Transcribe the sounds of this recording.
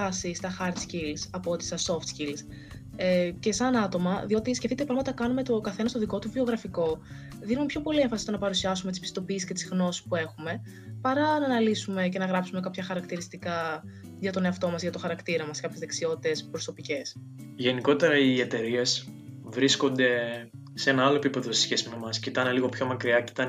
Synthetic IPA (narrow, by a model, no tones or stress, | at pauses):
ɐsist̪ɐxɐɾt̪scilsɐpo̞t̪i̥sɐso̞ft̪cils | ece̞sɐnɐt̪o̞mɐðio̞t̪iscefθit̪epɾɐmɐt̪ɐkɐnume̞t̪o̞kɐθe̞nɐst̪oðiko̞t̪uvio̞ɣɾɐfiko̞ | ðinumepço̞po̞lieɱfɐsist̪onɐpɐɾusiɐsumet̪ispist̪o̞piːsi̥sce̞t̪izɣno̞si̥spue̞xume̞ | pɐɾɐnɐnɐlisume̞ce̞nɐɣɾɐpsume̞kɐpçɐxɐɾɐkt̪iɾist̪ikɐ | ʝɐt̪o̞ne̞ɐft̪o̞mɐzʝɐt̪o̞xɐɾɐkt̪iɾɐmɐskɐpçezðeksio̞t̪it̪e̞spɾo̞so̞pice̞s | ʝe̞niko̞t̪e̞ɾɐiet̪e̞ɾie̞s | vɾisko̞nd̪e̞ | seenɐɐlo̞epipe̞ðose̥sçe̞sime̞mɐscit̪ɐneliɣo̞pço̞mɐkɾiɐci̥t̪ɐn